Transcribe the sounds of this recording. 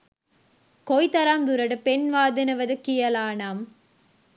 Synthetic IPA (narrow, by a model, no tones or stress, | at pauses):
kɔjt̪ɐɾaːmd̪ʊɾɐɽɯpɛnʋaːðɪnɐʋɐðɯkːɪjɐlaːnaːm